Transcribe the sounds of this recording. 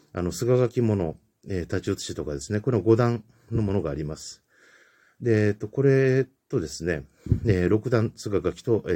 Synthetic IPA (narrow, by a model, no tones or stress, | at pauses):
a̰no̞sɨɡaɡakʲimo̞no̞ | et̪at͡ɕiːt͡sɨ̥ɕit̪o̞kad̪e̞sɨne̞ko̞ɾe̞aɡo̞d̪ãn | nːo̞mo̞no̞ɡaːɾʲimasɨ̥ | d̪e̞t̪ːo̞ko̞ɾe̞t̪o̞d̪e̞sɨne̞ | eɾo̞kɯ̟d̪ãnsɨɡaɡakʲi̥t̪o̞ʔ